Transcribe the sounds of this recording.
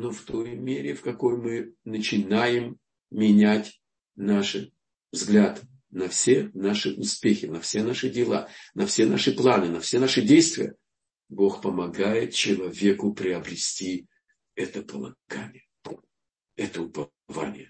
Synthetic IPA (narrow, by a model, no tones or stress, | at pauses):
noft̪o̞jmʲeɾʲɪfkɐko̞jmɨnət͡ɕɪnajɪm | mʲɪnʲætʲ | naʂɨ | vzɡlʲat̪ | nɐfsʲenaʂɨʔʊspʲexʲɪnɐfsʲenaʂɨdʲɪlˠa̰nɐfsʲe̞naʂɨplˠanɨnɐfsʲe̞naʂɨdʲejst̪vʲɪjə̰ | bo̞xpəmɐɡajɪt̪̚t͡ɕɪlˠɐvʲe̞kʊpɾʲɪɐbɾʲɪsʲtʲi | ɛt̪əpəlˠɐ̰ɡ̥a̰nʲɪj | ɛt̪əʊpɐ | va̰nʲɪ̰jə